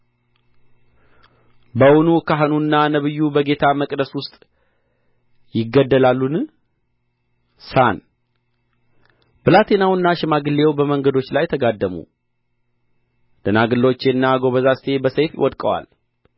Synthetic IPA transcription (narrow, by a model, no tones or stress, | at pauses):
bəwʊnukʰaɦnunːanəβɨjːubəɡe̞t̪ʰaməkʼd̪əswʊst̪ʼ | jɪɡːəd̪ːəlalːun | san | b̥ɨlat̪ʰe̞nawɨnːaʃɪmaɡɨlːe̞wbəməŋɡəd̪o̞t͡ʃːlajt̪ʰəɡad̪ːəmṵ | d̪̥ənaɡɨlːot͡ʃːe̞nːaɡo̞βəzast̪ʰe̞bəsəjfjɪ̰wɔd̪kʼəwa̰l